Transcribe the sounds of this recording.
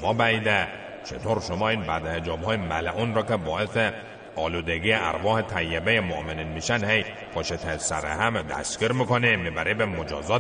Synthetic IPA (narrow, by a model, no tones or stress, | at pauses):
mɒːbæiːd̪e | t͡ʃʰḛt̪ʰoɾʃomɒːiːnbæd̪hed͡ʒɒːbhɒːjemælæʔunɾɒːkʰebɒːese | ɒːluːd̪eɡijeʔæ̰ɾvɒːhet̪ʰæjːebejemoʔmeninmiʃænhej | pʰɒʃet̪ʰesæɾehæmd̪æ̰skʲiɾmikʰonimibæɾibemod͡ʒɒːzɒː